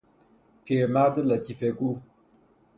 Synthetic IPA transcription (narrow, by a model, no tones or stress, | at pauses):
pʰemad̪əlat̪ifeku